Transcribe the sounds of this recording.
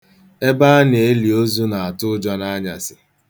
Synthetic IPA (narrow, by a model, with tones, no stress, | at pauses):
e˦ba˦a˦n˨e˨˦li˨o˦zu˦na˨a˨tʊ˦d͡ʒɔ˦na˦ɲa̰˨sɪ˨